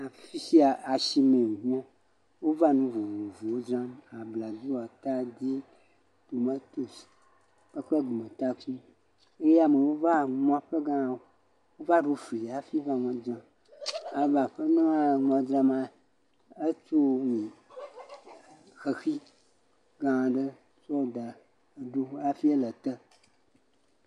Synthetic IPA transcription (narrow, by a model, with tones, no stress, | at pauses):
a˨fi˦si˦a˨a˨ʃi˦mẽ˨wo˨ɲĩ˦ã˦ | wo˦va˦nũ˦vo˨vo˨vo˨wo˦dɾã˦ma˨bla˨d̪u˦wa˨t̪a˦d̪i˦ | t̪o˨ma˦t̪o˦si̥˨ | ɸe˦k͡pɛ˦ɡ͡bo˨mẽ˨t̪a˦k͡pu˦ | e˦ja˦me˨wo˦va˦ŋɔ̃˨˦˨ɸe˦ɡã˦˨wo˨˦ | wo˦va˦ɖo˨fi˨a˨fi˦vã˨ŋɔ̃˨d͡ʒã˨ | a˨va˨ɸə˦nũ˦a˦ŋɔ̃˨d̪ɾa˨mã˨ | e˦t͡ʃo˦nũ˨ | xe˨xi˦ | ɡã˦ã˨ɖə˦ | t͡ʃɔ˦˨d̪a˨ | ɖu˦a˦fi˦e˦lə˨t̪ə˦